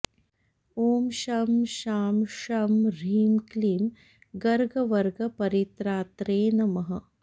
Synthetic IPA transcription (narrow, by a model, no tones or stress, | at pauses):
oːmʃaːmʃaːmʃaːmɾiːmkliːm | ɡɐɾɡɐʋɐɾɡɐpɐɾit̪ɾaːt̪ɾeːnɐmɐɦɐ